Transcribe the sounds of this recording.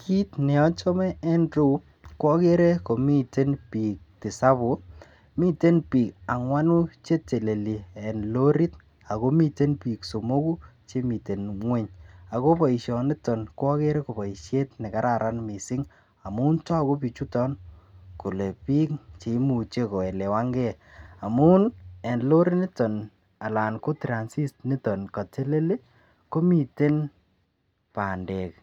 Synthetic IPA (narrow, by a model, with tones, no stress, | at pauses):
kʰi˦tnɛ˨ɔ˦t͡ʃɔ˦mɛ˦ɛ˦ndɾu˦ | kwɔ˦ke˦ɾe˦ko˨mi˦te˦npiː˨k̚tɪ˨sa˦βu˨ | mi˦te˦npiː˨ka˨ŋwa˦nu˦t͡ʃe˦te˨le˨li˨ɛ˨nlo˦ɾi˦t | a˨ko˦mi˦te˦npi˨kso˨mo˦ku˦t͡ʃe˦mi˨te˨nŋwe˦ɲa˨ko˦pɔ˨i˨ʃɔ˨nɪ˦tɔ˨nko˦ɔ˦ke˦ɾe˦ko˨pa˨i˨ʃe˦tnɪ˨ka˦ɾʔaɾʔa˦nmi˨sɪ˦ŋ | a˨mu˦ntɔ˦ko˦pi˨t͡ʃu˦tɔ˦nku˨le˨piː˦k̚t͡ʃe˨˦mu˨t͡ʃe˦ko˨ɛ˨le˨wa˦ŋɡe˦a˨mu˦nɛ˨nlo˦ɾe˦nɪ˦tɔ˨n | a˨la˨nko˦tɾa˨nsi˦stni˦tɔ˨nka˨te˦le˦le˦ | ko˦mi˨te˦n | pa˨nde˨k̚